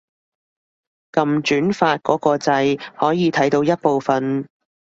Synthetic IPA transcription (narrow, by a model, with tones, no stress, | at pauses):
kɐ˨mt͡ʃyː˨˥nfaː˧t̚kɔː˨˥kɔː˧t͡sɐ˧jhɔː˨˥jiː˨˧t̪ʰɐ˨˥jt̪o˧wjɐ˥t̚po˨˧wfɐ˨n